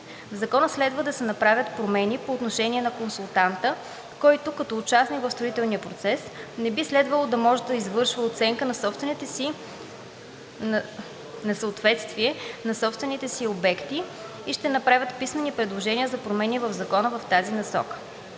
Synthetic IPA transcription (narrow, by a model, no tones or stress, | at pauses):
vzɐkɔnəslɛd̪vəd̪ɐsɛnɐpɾavʲət̪pɾomɛnipoːt̪noʃɛniɛnɐkonsulˠt̪ant̪ə | kɔjt̪ʊkɐt̪ɔːt͡ʃasniɡvəfst̪ɾoit̪ɛlˠniəpɾot̪sɛsnɛbislɛd̪vəlˠod̪ɐmɔʒɛd̪ɐizvɤɾʃvəot̪sɛŋkənɐsɔpst̪i | nɐsəot̪vɛt̪st̪viɛnɐsɔpst̪vɛnit̪ɛsiobɛkt̪i | iʃt̪ɛnɐpɾavʲət̪pismɛnipɾɛd̪lˠoʒɛniəzɐpɾomɛnʲiɛvɐvzɐkɔnəvɐft̪azinɐsɔ̰kə̥